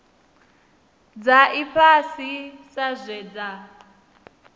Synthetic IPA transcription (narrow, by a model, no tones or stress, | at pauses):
d͡zaʔiɸʰasisazʷɛd͡za